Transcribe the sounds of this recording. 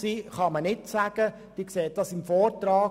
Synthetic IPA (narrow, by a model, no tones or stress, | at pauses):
siːχɑmənɪtsæɡ̥ə | d̥iːkseːt̚dɑsɪmfɔːɾtɾɑː